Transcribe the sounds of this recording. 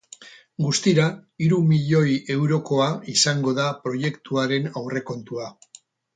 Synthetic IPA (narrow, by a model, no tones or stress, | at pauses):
ɡust̪iɾaiɾumiʎo̞je̞wɾo̞ko̞aisaŋɡo̞ðapɾo̞je̞kt̪uaɾe̞nawre̞ko̞nt̪ua